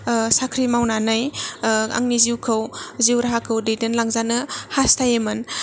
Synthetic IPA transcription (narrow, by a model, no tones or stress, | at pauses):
sakʰɾimawnanaj | a̰ŋniziwkʰɯwziwɾaɦakʰɯwdejdenlaŋzanɯhastʰajemɯn